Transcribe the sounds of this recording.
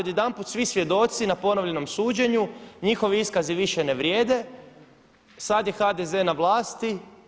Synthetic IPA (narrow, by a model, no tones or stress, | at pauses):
od̪jed̪anput̪sʋisʋje̞d̪o̞t̪sinapo̞noʋʎe̞no̞msuːd͡ʑe̞ɲuɲixo̞ʋiiskaziʋiʃene̞ʋɾjeːd̪e̞ | sad̪je̞xad̪eze̞naʋlˠaːst̪i